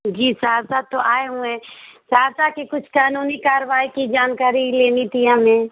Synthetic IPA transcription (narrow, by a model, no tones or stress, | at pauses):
d͡ʒiːsaːɾsaːd̪̚t̪ːoʔaːeɦũɛ̃ːsaːɾsakekʊt͡ʃʰkaːnuːnikaːɾʋaːikid͡ʒaːnkaːɾileːnit̪iɦɐmẽː